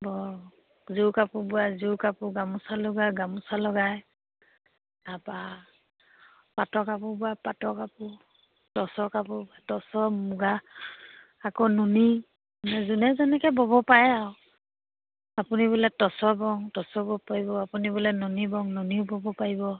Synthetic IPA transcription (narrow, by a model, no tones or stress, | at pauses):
bɔ | zukapubuazukapuɡamusalɔɡaɡamusalɔɡaj | apa | patɔkapubapatɔkapʊ | tɔsɔkapubatɔsɔmuɡaː | kɔnuni | nɛzunɛzɛnɛkɛbɔbɔpajaɔ | apunibulɛtɔsɔbɔŋtɔsɔbɔpaibɔapunibulɛnunibɔŋnunibɔbɔpaibɔ